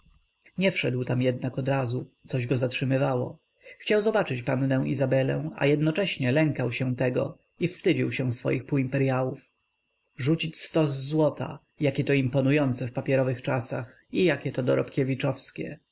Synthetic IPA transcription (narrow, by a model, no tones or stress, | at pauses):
ɲɛfʂɛd̪wt̪amjɛd̪nakɔd̪ɾazusɔʑɡɔzatʂɘmɘvawɔ̰ | xt͡ɕawzɔbat͡ʂɘt͡ɕpanːɛ̃w̃ʔizabɛlɛ̰̃w̃a̰jɛd̪nɔt͡ʂɛɕɲɛlɛŋkawɕɛt̪ɛɡɔ̰ | ifst̪ɘd͡ʑiwɕɛ̃sfɔ̰jixpuimpɛɾjawuf | ʐut͡ɕit͡ɕst̪ɔzːwɔt̪ʰa̰ | jakʲɛt̪ɔimpɔnujɔnt̪sɛfpapʲjɛɾɔvɘxt͡ʂasax | ijakʲɛt̪ɔd̪ɔɾɔ̰pkʲevʲit͡ʂɔfskʲɛ̰